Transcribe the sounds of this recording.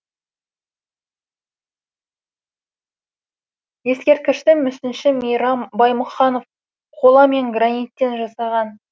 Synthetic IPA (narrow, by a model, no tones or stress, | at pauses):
je̞skʲe̞ɾt̪̚kʲɪʃt̪ɪmʏsɪnʃɪmijɾɑmbɑjmʊχɑno̞f | qʰo̞lˠɑme̞ŋɡranijt̪ːe̞nʒɑsɑʁɑn